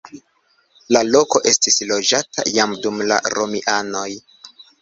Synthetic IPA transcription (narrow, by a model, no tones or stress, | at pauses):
lalo̞ko̞ʔe̞stislo̞d͡ʒatʰa̰jamdumla̰ɾomiʔano̞j